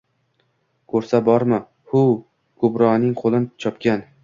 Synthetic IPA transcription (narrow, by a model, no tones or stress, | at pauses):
kʰɵɾsabɒɾmɪ | hʊ | ɡʊbɾɒnɪŋqʰolˠɪnt͡ʃʰɒpkʲan